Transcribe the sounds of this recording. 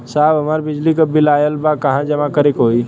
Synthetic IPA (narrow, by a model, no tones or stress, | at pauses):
sabəmaɾbɪd͡ʒlikəbilajəlbakəɦãd͡ʒəmãkəɾekɦoi